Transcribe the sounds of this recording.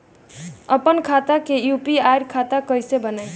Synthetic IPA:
əpənkʰat̪akejupiajɾkʰat̪akʌjsebənaj

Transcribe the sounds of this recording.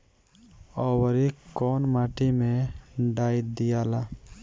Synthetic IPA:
ɔːwəɾikɔːnmaːʈimẽɖaːjd̪ijaːlaː

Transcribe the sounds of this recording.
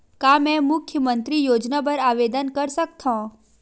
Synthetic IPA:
kaːmɛ̃mʊkʰjəmə̃nt̪ɾijoːd͡ʒnap̬ɐɾaːʋeːd̪ənkɐɾsɐk̚t̪ʰãː

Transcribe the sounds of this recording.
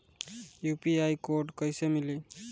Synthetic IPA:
jupiajkoɾɖkʌjsemili

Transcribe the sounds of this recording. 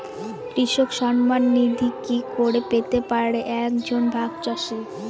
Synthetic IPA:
kɾiʃokʃɔnmanːid̪ʱikikoɾepet̪epaɾɽeʔɛkd͡ʑʱonbʱaɡt͡ɕɔʃi

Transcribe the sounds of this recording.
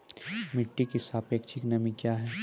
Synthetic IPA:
mɪʈːikisaːpekt͡ʃʰiknɐmikjaːɦɛː

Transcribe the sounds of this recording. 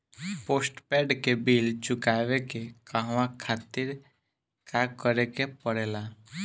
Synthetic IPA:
poːsʈpɛːɖkebiːld͡ʒʊkaʋekekaɦʋãkʰaːt̪ɪɾ | kakəɾekepəɽeːla

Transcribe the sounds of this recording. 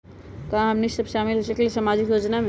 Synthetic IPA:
kaãɦəmnissəbʃamilɦosəkelesamad͡ʒikjod͡ʒname

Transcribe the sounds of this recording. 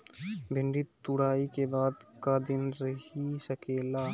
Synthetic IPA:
bʱɪɳɖit̪ʊɽaːikebaːd̪kaːd̪ɪnɾəhisəkeːlaː

